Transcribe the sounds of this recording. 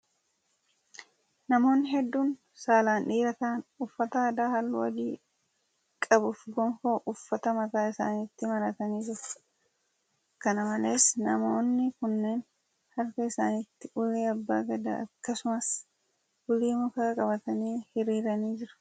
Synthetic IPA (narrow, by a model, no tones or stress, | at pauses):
nɐmo̞ːnːɪɦɛd̪ːuːn | saːlaːnᶑiːɾɐt̪aːnʊfːɐt̪ɐɐd̪aːhɐlːʊwɐ̰ɡiː | kʼɐbʊfɡɔŋkoːʔʊfːɐt̪ɐmɐt̪aːɪsa̰ːnɪt̪ːɪmɐɾɐt̪ɐniːd͡ʒɪɾʊ̥ | kːɐnɐmɐle̞ːsnɐ̰moːnːɪkʊnːe̞ːn | hɐɾkɐɪsaːnɪt̪ːɪʔʊleːɐbːa̰ːɡɐd̪a̰ɐ̰kːɐsʊmɐs | ʊliːmʊkaːkʼɐbɐt̪ɐniːhɪɾiːɾɐniːd͡ʒɪɾʊ̥